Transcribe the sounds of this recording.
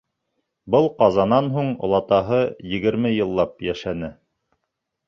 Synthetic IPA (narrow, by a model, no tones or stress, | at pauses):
bɤlˠqɑzɑnɑnɦuɴŏ̰lˠɑt̪ɑɦɤjɘ̆ɡɘ̆ɾmɘjɤ̆lˠːɑpjæʃænɘ